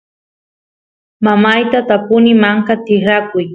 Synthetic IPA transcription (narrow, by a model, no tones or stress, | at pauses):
mamajt̪at̪apʊnɪmaŋkat̪ɪχɾakʊj